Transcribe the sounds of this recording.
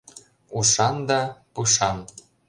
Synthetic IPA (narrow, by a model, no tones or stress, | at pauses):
uʃɑnd̪ɑpuʃɑn